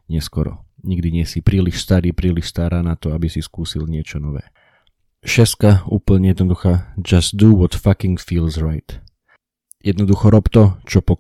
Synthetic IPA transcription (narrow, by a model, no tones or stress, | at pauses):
ɲɪɛskɔɾɔ̰ɲiɡd̪iɲɪɛsipɾiːliʃst̪aɾiːpɾiːliʃst̪aɾaːnat̪ɔabisiskuːsilɲɪɛt͡ʃɔnɔʋɛ̰ː | ʃɛskaṵːpl̩ɲɛjɛd̪nɔd̪uxaːd͡ʒast̪̚d̪uʋɔt̪fakiŋɡfiːlzɹaɪt̪ | jɛd̪nɔd̪uxɔɾɔpt̪ɔt͡ʃɔpɔ